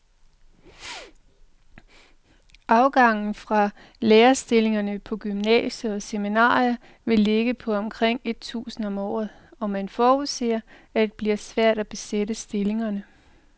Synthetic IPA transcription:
ʔɑ̈ʊɡ̥ɑ̈ŋ̰n̩fʁɑ̈ | leːɐsd̥e̝le̝ŋɐnəpʰɒ̽ɡ̥ymnɛ̰ːɕəɒ̽seminɑ̰̈ːiɐ | ʋe̝le̝ɡ̥əpʰɒ̽ɒ̽mkʰʁeŋ̰e̝d̥̚t͡sʰṵːsn̩ɒ̽mɒ̰ːð̩ˠɒ̽mænfɒːuðˠse̝̰ːɐ | æde̝d̥̚b̥liɐsʋæɐ̰d̥æb̥e̝sedəsd̥e̝le̝ŋɐnə

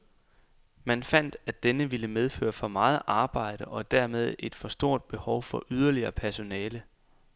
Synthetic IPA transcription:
mænfæn̰d̥æd̥enəʋiləmeð̞ˠfø̰ːɐfɒ̽mɑ̈ːð̞̩ˠʔɑ̈ːb̥ɑ̈ɪ̰ɾ̥əʔɒ̽d̥æɐmeð̞ˠe̝d̥fɒ̽sd̥o̝ɐ̰d̥̚b̥e̝hɒʊfɒ̽ʔyð̞ˠɐliɐːpʰæɐso̝nɛːlə

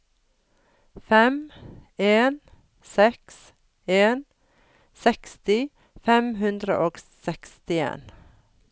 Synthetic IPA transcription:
fɛm | eːn | sɛks | eːn | sɛkst̪ɪ | fɛmhʉnd̪ɾə̰ʔoːɡsɛkst̪ɪḛːn

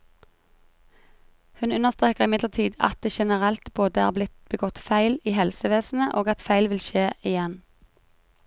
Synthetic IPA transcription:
hʉnʉnəʁst̪ʁeːkəʁɪmɪd̪ləʁt̪ʰiːd̪ɑ̰t̪̚d̪eːʃɛnəʁɛlt̪boːd̪əæ̰ːʁblɪt̪b̥əɡɔt̪fæɪliːhɛlsəʋeːsn̩əʔoːɡɑt̪fæɪlʋɪlʃeːʔɪjɛn

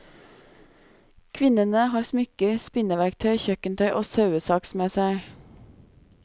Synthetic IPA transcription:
kʰʋɪnənəhɑːɾsmʏkəɾspɪnəʋæɾk̚t̪ʰœʏçœkənt̪ʰœʏʔoːsɑʉəsɑksmeːsæɪ

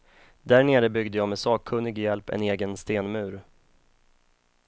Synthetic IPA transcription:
d̪æɾɳeːɾəbʏɡd̪əjɑːmɛsɑːɡkʰɵnːɪɡjɛlpɛ̰neːɡənst̪eːnmʉ̟ːɾ

